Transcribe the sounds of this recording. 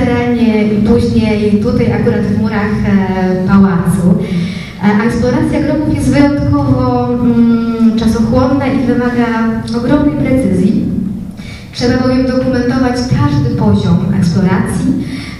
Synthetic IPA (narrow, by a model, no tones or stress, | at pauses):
ɛɾalɲɛipuʑɲejt̪ut̪ajʔakuɾat̪vmuɾaxpawazu | ʔɛksplɔɾat̪sʲjaɡɾɔkufjɛst̪vɘjɔnt̪kɔvɔ | t͡ʂasɔxwɔnːaʔivɘmaɡaɔɡɾɔmnɛjpɾɛt̪sɘzʲji | tʂɛbabɔvʲjɛmd̪ɔkumɛnt̪ɔvat͡ɕkʰaʐd̪ɘpɔʑɔmɛ̰ksplɔɾat̪sʲji